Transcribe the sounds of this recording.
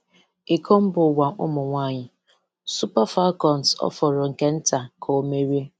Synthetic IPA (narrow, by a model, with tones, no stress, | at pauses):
e˨kʰo˦m̩˦bʊ˨wa˨ʔʊ̰˦mʊ˨ŋʷa˦˨ɲɪ˨ | su˦pa˦fa˦kɔ˨nsɔ̰˦fɔ˨ɾɔ˨ŋ̩˨ke˦n̩˦ta˨kʰo˨˦me˦ɾi˦